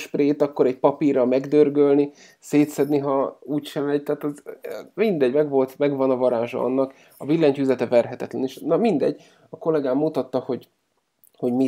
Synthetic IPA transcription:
ʃpreːt̪ɒkːo̞ɾɛɟ̚pɒpirɒmɛɡd̪ørɡølni | seːt̪sɛd̪niɦɒuːcʃɛmɛɟt̪ɛːt̪ɒzmind̪ɛɟmɛɡʋo̞lt̪mɛɡvɒnɒvɒɾaːʒɒ̰ɒ̰nːɒk | ɒvilːɛɲcyzɛt̪ɛvɛrɦɛt̪ɛt̪lɛneʃnɒmind̪ɛ̰ɟ | ɒko̞lɛɡaːmːut̪ɒt̪ːɒho̞ɟ | ho̞ɟmi

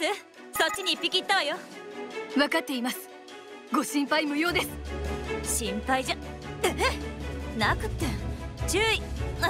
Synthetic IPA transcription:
ɨ | sot͡ɕːiɲ̟ipʲikʲit̪ːaβajo | βakat̪ːe̞imasɨ̥ | ɡo̞ɕĩmpaimɯ̟jo̞ːd̪esɨ̥ɕĩmpaid͡ʑa | nakɯ̟t̪ːet͡ɕɨːi

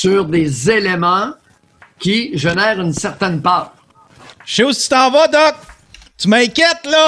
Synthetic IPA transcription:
syʁd̪ezelemɑ̃ | kʲiʒenɛːʁynsɛʁt̪ɛnpaːʁ | ʃeusit͡si̥t̪ãːvɔd̪ɔk̚ | t̪ymɛ̃kʲɛt̪lɔ

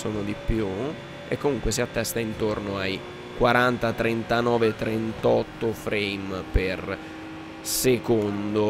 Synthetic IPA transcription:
soːnod̪ipːju | ḛkːomuŋkwes̬iat̪ːɛst̪aint̪ornoaj | kwaɾant̪at̪ɾent̪anɔːvet̪ɾent̪ɔt̪ːofɾejmper | sekond̪o

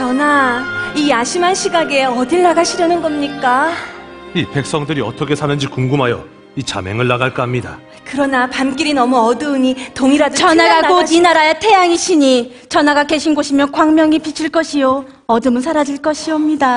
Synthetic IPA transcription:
t͡ɕʌnaiaɕʰimanɕʰiɡaɡe̞ʌdiɭːaɡaɕʰiɾjʌnɯnɡʌmɲik͈a | ipe̞k̚s͈ʌŋdɯɾiʌtʰʌkʰe̞sʰanɯnd͡ʑikuŋɡumɦajʌ̰ | it͡ɕa̰me̞̰ŋɯɭːaɡaɭk͈amɲida | kɯɾʌnapamk͈iɾinʌmuʌdɯɯɲitoŋiɾadt͡ɕʌnaɡaɡoinaɾaetʰe̞jaŋiɕʰiɲi | t͡ɕʌnaɡake̞ɕʰinɡoɕʰimjʌnkwaŋmjʌŋipit͡ɕʰiɭk͈ʌɕʰijo | ʌdɯmɯns̬ʰaɾad͡ʑiɭk͈ʌɕʰiʌmɲida

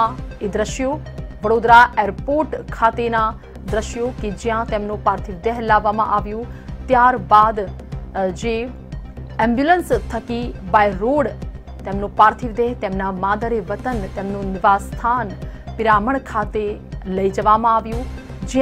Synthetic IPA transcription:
ed̪ɾəʃjoʋəɽod̪ɾaɛɾpoɾʈkʰat̪ena | d̪ɾəʃjoked͡ʒijãt̪emnũpaɾt̪ʰiʋd̪eɦlaʋːamã̰ʔaʋjũt̪jaɾbad̪ | d͡ʒe | ɛ̃mbjulənst̪ʰəkibaiɾoɽ | t̪emnõpaɾt̪ʰiʋd̪eɦt̪emnamad̪əɾeʋət̪ənt̪emnũnɪʋast̪ʰanpɪɾaməɳkʰat̪eləid͡ʒəʋamãaʋjũ | d͡ʒ

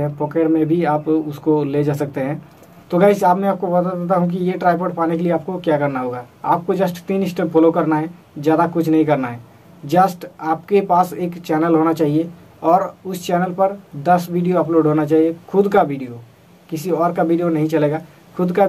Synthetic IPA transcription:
ɦɛ̃poːkeːɖmẽbʱiaːpʊskoled͡ʒaːsɐk̚t̪eɦɛ̃ | t̪oɡəɪsaːpmɛ̃aːp̚kobɐt̪ad̪et̪̬aɦũk̬ijeʈɾaːɪpəːʈpaːnekelieaːp̚kokjakɐɾnaɦoːɡaː | aːp̚kod͡ʒɐsʈt̪iːnɪsʈə̃pfʰolokɐɾnaɦɛ | zjaːd̪akʊt͡ʃʰnɐɦĩkɐɾnaɦɛː | d͡ʒəsʈaːpkepaːseːkt͡ʃɛːnəlɦoːnat͡ʃaːɦie | ɔːɾʊst͡ʃɛːnəlpɐɾd̪ɐsʋiːɖijoɐploːɖɦoːnat͡ʃaːɦiexʰʊd̪kaʋiːɖijo | kɪsiɔːɾkaʋiːɖijonɐɦĩt͡ʃɐleːɡaː | kʰʊd̪ka

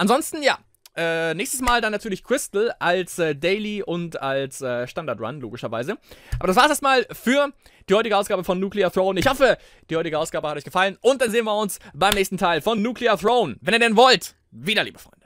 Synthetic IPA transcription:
ʔanzɔnstn̩ja̰ː | ʔɛːnɛːçstəsmaːldanːatʰyːɐlɪçkʁ̥ɪstl̩ʔalsʔɛːdɛɪliʔʊntalsʔɛːʃtandaɐtʁa̰nlo̰ːɡɪʃɐva̰ɪzəʔaːbɐɾas̬vaːsʔeɐstmaːlfyːɐ | d̥iːhɔʏtɪɡəʔaʊsɡ̥aːbəfɔnːjuːkliaθʁoːʊnɪçhɔfə | d̥iːhɔʏtɪɡəʔaʊsɡ̥aːbəhatʔɔʏçɡəfalənʔʊnt̚d̥anzeːənviɐʊnsb̥aɪmnɛːçstn̩tʰaɪlfɔnːuːkʰliɐθʁoʊnvɛniːɐdɛnvɔlt | viːdɐlḭːbəfʁ̥ɔ̰ʏnd̥ə

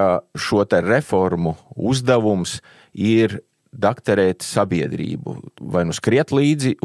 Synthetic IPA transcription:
aʃuɔt̪ɛɾefɔɾmuuzd̪aʋums | iɾ | d̪akt̪aɾɛːt̪sabiɛd̪ɾḭːbṵvajnuskɾiɛt̪lˠiːd̪zi

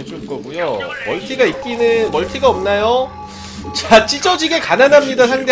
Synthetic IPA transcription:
d͡ʑumɡʌɡujomʌɭtʰiɡaip̚k͈inɯmʌɭtʰiɡaʌmnajo | t͡ɕat͡ɕ͈id͡ʑʌd͡ʑiɡe̞kananamɲidasʰaŋde

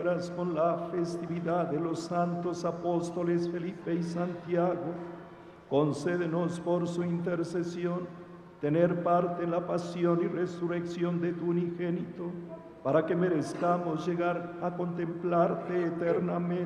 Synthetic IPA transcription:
ɾasko̞nlafest̪iβiðaðelosant̪osapost̪olesfelipeisant̪jaɣo | konseðenospoɾsuint̪eɾsesjon | t̪eneɾpaɾt̪eːnlapasjoniresureksjo̞nd̪et̪uunixenit̪o | paɾakemeɾeskamosʝeɣaɾako̞nt̪emplaɾt̪eːt̪eɾnamẽ

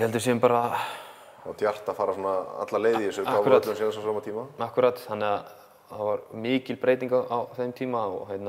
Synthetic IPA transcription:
hɛlt̪̬ʏ̥s̬ɛʏmpaːɾa | at̪ʰjar̥t̪afaːɾasɔnaa̰t̪laleːjðiɪsʏaavɾaːt̪sɛnðθɛs̬asaːmat̪ʰiːmaahkʏɾaːt̪θanːɪɣað | θavaɾmɪːcɪlpɾejt̪iŋkaawθemt̪ʰiːmaɔ̰ɣɦɛjt̪na

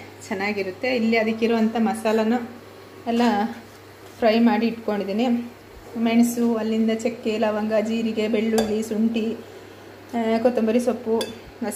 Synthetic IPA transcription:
t͡ʃɛnːaːɡiɾut̪ːe̞ilːiɐd̪ikːiɾɐʋɐnt̪ʰɐmɐsaːlɐnu | ɛlːɐ | pʰɾɐjmaːɽiːʈko̞ɳɖid̪iːni | meɳsuɐlːind̪ɐt͡ʃekːelɐːʋɐŋɡɐd͡ʒiːɾiɡe̞be̞ɭːuɭisuɳʈi | kot̪ombɐɾisopːu | nɐ

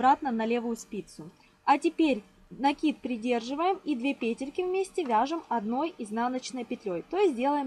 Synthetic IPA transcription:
bɾat̪nənɐlʲe̞vʊjʊspʲit̪sʊ | ɐtʲɪpʲeɾʲ | nɐkʲit̪̚pɾʲɪdʲe̞rʐɨvəjɪmid̪vʲepʲetʲɪrkʲɪvmʲesʲtʲɪvʲaʐɨmɐd̪no̞jɪznanət͡ɕnəjpʲɪt̪lʲojt̪o̞jɪsʲdʲe̞lˠəjɪm

